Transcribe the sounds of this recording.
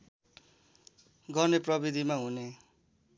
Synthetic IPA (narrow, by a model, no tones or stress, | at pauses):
ɡʌrneprʌbid̪ʱimaɦune